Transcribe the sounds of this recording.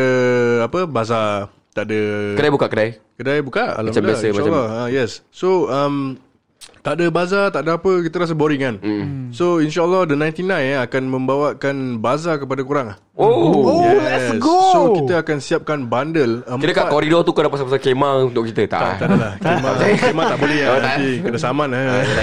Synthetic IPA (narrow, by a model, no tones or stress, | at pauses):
əapəbaza | t̪aʔdəkədajbukaʔkədajkədajbukaʔa̰laamdbasəmalɔhəjɛsːoəm | t̪aʔdəbazat̪aʔdəapəkit̪̬əɾas̬əboɾiŋan̩soinʃaəlːɔhdənãjnt̪inãjnakanmə̃mbawakanbazakəpadakuɾaŋah | ojɛsɡoːokit̪əakansiap̚kanbandələmkit̪əkakɔɾidɔt̪ukədapasapasakemãũnt̪ʊʔkit̪ət̪a̰ʔ̪adalahk̪emãkemat̪aʔbolɛikədasamãnə